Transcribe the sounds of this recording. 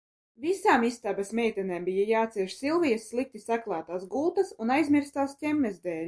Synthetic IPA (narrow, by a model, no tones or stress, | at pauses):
visaːmist̪abɐsmʲɛjt̪ɛnɛːmbijajaːt̪siɛʃsilˠvijɐsːlˠik̚t̪isaklˠɑːt̪aːsɡulˠt̪ɐsunajzmʲiɾst̪aːstʲɛmːɛzd̪ɛːlʲ